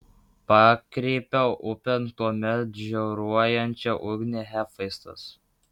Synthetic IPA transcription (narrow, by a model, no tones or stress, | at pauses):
pɑːkɾʲeːpʲɛʊʔʊpʲɛnt̪uɔmʲɛt̪ʒʲɛɾuɔjɛnʲt͡ʃʲɛʔʊɡʲnʲeɦʲæfɐɪst̪ɐ̰s